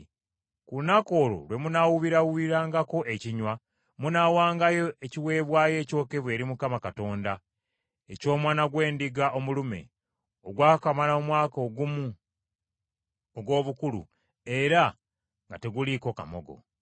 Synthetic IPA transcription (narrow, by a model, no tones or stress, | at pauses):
kunako̞ːlo̰lwe̞munawuβiɾawuβiɾaːŋɡako̞ʔe̞ciɲwa | munawaːŋɡajo̞eciwe̞ːβwaːje̞ːco̞ːke̞βwe̞ːɾimukamakato̞ːnda | e̞co̞ːmwaːnaɡwe̞ːndiɡaʔo̞mulume̞̰ | oɡwaːkamalaomwaːkoɡumu | oɡwo̞ːβukulṵ | eɾa | ŋɡate̞ɡuliko̞kamo̰ɡo̞̰